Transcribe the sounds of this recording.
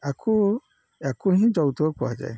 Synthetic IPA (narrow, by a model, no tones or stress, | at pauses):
akʰo | akuɦĩd͡ʒɔwutok͡pɔa̰d͡ʒɛ̰